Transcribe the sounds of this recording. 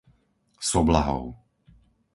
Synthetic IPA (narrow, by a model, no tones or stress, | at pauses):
sɔblaɦɔ̰ʊ